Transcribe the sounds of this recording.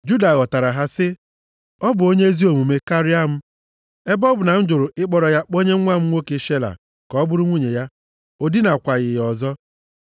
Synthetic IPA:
d͡ʒu˦da˨ɣɔ˨ta˨ɾa˨ɦa˦sɪ˦ | ɔ˦bʊ˨o˦ɲe˦e˦zi˦o˨mu˨me˦ka˦ɾi˦a˦m̩˦ | e˦bɔ˦bʊ˨na˨n̩˦d͡ʒʊ˨ɾʊ˨ʔɪ˦k͡pɔ˨ɾɔ˨ja˦k͡po˦ɲe˦ŋʷa˦m̩˦ŋʷo˦ke˦ʃe˦la̰˨ | kɔ˨˦bʊ˦ɾʊ˦ŋʷu˦ɲe˨ja˦ | o˦di˦na˨kʷa˨ɣɪ˨jɔ˨zɔ˦

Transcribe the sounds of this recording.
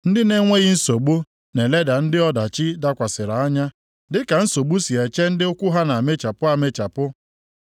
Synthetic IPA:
n̩˦dɪ˦ne˦ŋʷe˦ɣɪ˦n̩˦so˨ɡ͡bu˦ | ne˨le˦da˨n̩˦dɪ˦ɔ˦da˨t͡ʃɪ˦da˦kʷa˨sɪ˨ɾa˨a˦ɲa˦ | dɪ˦ka˨n̩˦so˨ɡ͡bu˦si˨e˨t͡ʃe˦n̩˦dɪ˦ʊ˦kʷʊ˦ɦa˦na˨me˦t͡ʃa˨pʊ˦a˨me˦t͡ʃa˨pʊ˦

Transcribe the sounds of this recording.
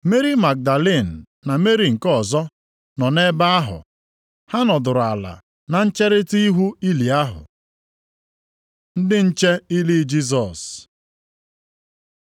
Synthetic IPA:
me˦ɾi˦ma˨k̚da˨le˦˨n̩˨ | na˨me˦ɾi˨ŋ̩˨kɔ˦˨zɔ˦ | nɔ˨ne˦ba˦a˦ɦʊ̰˨ | ha˦nɔ˨dʊ˨ɾʊ˨a˨la̰˨ | na˨n̩˦t͡ʃe˦ɾɪ˦ti˦i˦ɦu˦i˦li˨a˦ɦʊ̰˨ | n̩˦dɪ˦n̩˦t͡ʃe˦i˦li˦d͡ʒi˦s̬ɔ˨s

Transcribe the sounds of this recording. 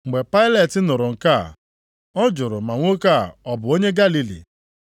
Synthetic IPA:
ŋ͡m̩˨ɡ͡be˨pa˦ɪ˦le˨tɪ˦nʊ˨ɾʊ˨ŋ̩˨ka˦˨ | ɔ˦d͡ʒʊ˨ɾʊ˨ma˨ŋʷo˦ka˦˨ɔ˨bʊ˨o˦ɲe˦ɡa˦li˦lḭ˨

